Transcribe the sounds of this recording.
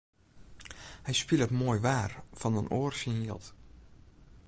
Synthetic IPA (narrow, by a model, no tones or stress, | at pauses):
hɛjspilˠətmoːjʋaːrfɔnənʔoːərsəniəlˠt